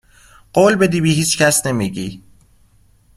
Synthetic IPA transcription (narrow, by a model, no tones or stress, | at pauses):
ɢ̥oːlbed̪iːbiːhiːt͡ʃcæsnemiːɟiː